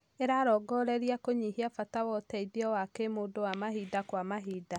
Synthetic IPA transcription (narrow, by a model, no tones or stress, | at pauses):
eɾaɾɔːɡɔɾɛɾiakoɲihiafatawɔtɛiðjɔwakemoːdowamaɦiːdakwamaɦiːda